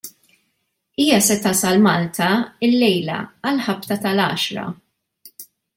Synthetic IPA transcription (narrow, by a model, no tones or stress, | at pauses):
iːjɐsɛt̪ɐːsɐlmɐːlt̪ʰɐɪlːɛjlɐ̰ɐlħɐpt̪ɐt̪ɐlɐ̰ːʃɾɐ̰